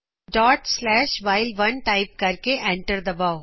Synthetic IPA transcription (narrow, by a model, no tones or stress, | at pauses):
ɖɔːʈslɛːʃʋaːɪlʋɐ̃nʈaɪp̚kɐɾkeʔɛ̃ɳʈəɾd̪ɐbaːʊ